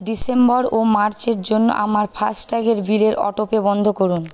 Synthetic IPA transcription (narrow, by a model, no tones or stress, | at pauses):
ɖisembɔɾomaɾt͡ɕeɾd͡ʑonːo̰ʔa̰maɾpʰasʈʈaɡeɾbileɾʔɔ̰ʈopebɔnd̪ʱokoɾun